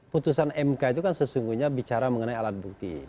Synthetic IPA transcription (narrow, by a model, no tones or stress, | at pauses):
put̪usanɛmkait̪ukansəsuŋɡuɲabit͡ʃaɾaməŋənaialat̪̚buk̚t̪ḭ